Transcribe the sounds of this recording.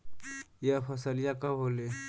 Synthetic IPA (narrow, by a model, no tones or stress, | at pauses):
japʰɐsəljakaɦole